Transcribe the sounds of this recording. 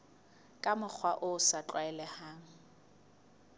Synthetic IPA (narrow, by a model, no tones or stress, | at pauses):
kʼamʊk͡xʰwaʔʊsat͡ɬʼwaɛlɛhaːŋ̩